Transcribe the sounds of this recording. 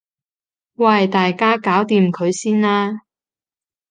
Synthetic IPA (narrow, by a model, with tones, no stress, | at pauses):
waː˧hɐ˨jt̪aː˨jkaː˥kaː˨˥wt̪iː˨mkʰɵ˨˧ɥsiː˥nlaː˥